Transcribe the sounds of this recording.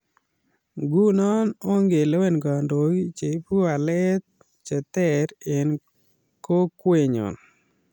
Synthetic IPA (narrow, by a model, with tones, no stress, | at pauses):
ɡu˦nɔ˦no˦ŋɡe˨le˦we˦nɡa˨ndo˨ɡi˦t͡ʃe˨˦pu˦a˨lɛ˦t̪̚ | t͡ʃɛ˨t̪ɛ˦ɾe˨n | ko˦kwe˨ɲɔ̰˨n